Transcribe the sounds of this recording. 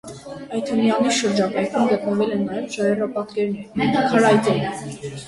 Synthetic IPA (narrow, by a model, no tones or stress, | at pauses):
ɑjt̪ʰənijɑniʃəɾd͡ʒɑkɑjkʰumɡət̪nəvɛlɛnːɑjɛvʃɑɾɛrɑpɑt̪kɛɾnɛɾkʰɑɾɑjt̪ɛ